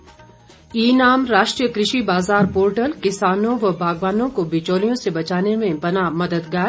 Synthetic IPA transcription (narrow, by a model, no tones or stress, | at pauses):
iːnaːmɾaːʃʈɾijəkɾɪʃibaːzaːɾpoːɾʈəlkɪsaːnõʋɐbʱaːɡʋaːnõkobɪt͡ʃoːlijõsebɐt͡ʃaːnemẽbɐnaːmɐd̪əd̪ɡaːɾ